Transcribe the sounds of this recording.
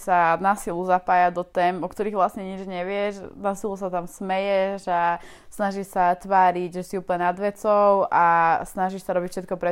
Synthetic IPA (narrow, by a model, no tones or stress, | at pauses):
sanaːsiluzapaːjad̪ɔt̪ɛːmɔkt̪ɔɾiːɣʋlasɲɛɲid͡ʒɲɛʋɪɛʃnaːsilus̬at̪amsmɛjɛʒa | snaʒiʃsat̪ʋaːɾiɟʒɛsiuːpəlɲɛnad̪ʋɛt͡sɔʊʔasnaʒiʃsaɾɔbicfʃɛt̪̚kɔpɾɛ